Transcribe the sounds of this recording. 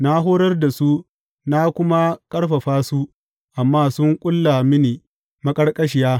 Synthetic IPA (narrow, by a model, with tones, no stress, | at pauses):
na˦ɦoː˦ɾɐ˦rda˨su˦ | na˦kʷʊ˦ma˦kʼɐ˦ɽɸɐ˨ɸaː˦su˦ | ʔa˨mːaː˦sʊ˦ŋkʷʼʊ˦lːa˨mɪ˦niː˨ | mɐ˦kʼɐ˦rkʼɐ˦ʃ̬ɪ˨jaː˦